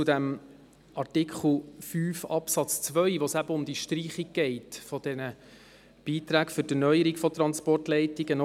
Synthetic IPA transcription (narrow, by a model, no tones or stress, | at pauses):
t͡sʊdæm | ɑrtɪkχl̩fyːfɑpsɑt͡st͡sʋœʏʋosæbəʊmd̪iʃtɾiːχiɡ̚ɡ̥ɛɪtfɔdɛnə | b̥iːt̪ɾæːkfʏɾdənœʏəɾikfɔt̪ɾɑnspɔrtlɛɪtiɡənɔ